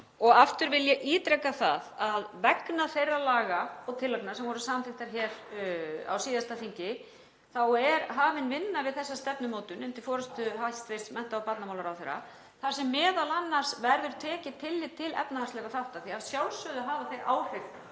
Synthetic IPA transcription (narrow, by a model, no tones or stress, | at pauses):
ɔɣaft̪ʏɾvɪljɛʔiːt̪ɾɛkːaθa̰ðaðvɛknaθejrːalaːɣaɔɣt̪ʰɪlːœk̚nasɛmvɔɾʏsaːmanθɪht̪aɾ̥çɛːɾ | a̰wsiːðast̪aθiɲcɪ | θawɛɾɦaːvɪnvɪnːavɪðθɛsːast̪ɛpnʏmoːt̪ʏnʏnt̪ɪfɔːɾʏst̪ʏɦast̪vejst̪smɛnt̪aawpat̪namawlaɾawθejɾːa̰ | θasɛmːɛːðalanːar̥svɛɾðʏɾt̪ʰɛːcɪt̪ʰɪlːɪt̪ʰɪlɛ̰pnahaɾst̪lɛːɣaθawht̪aθiavsjawlsœðʏɦaːvaθejɾʔa̰ːwr̥ʏkn